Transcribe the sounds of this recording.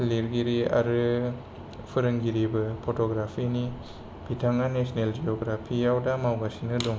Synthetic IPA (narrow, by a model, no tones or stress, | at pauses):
liɾɡiɾia̰ɾɯ | pʰɯɾɯŋɡiɾibɐpʰotoɡɾapʰini | b̥ʱitʰaŋanesneld͡ʒioɡɾapʰijawdamawɡasinɯdɔŋ